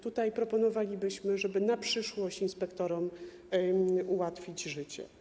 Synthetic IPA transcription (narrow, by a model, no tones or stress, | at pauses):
t̪ut̪ajpɾɔpɔnɔvalʲibɘɕmɘʐɛbɘnapʂɘʂwɔɕt͡ɕinspɛkt̪ɔɾɔm | uwat̪fʲid͡ʑʐɘt͡ɕɛ̰